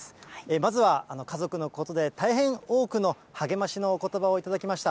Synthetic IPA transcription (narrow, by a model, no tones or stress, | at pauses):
emazɨβaːno̞kazo̞kɯ̟no̞ko̞t̪o̞d̪e̞t̪aiɦẽ̞ɰ̃o̞ːkɯ̟no̞ | haɡe̞maɕino̞ːko̞t̪o̞bao̞it̪ad̪akʲimaɕi̥t̪a